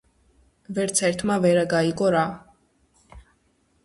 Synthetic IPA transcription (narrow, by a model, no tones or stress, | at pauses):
vɛɾt̪sʰɛɾt̪ʰmavɛɾaɡaiɡʼɔɾa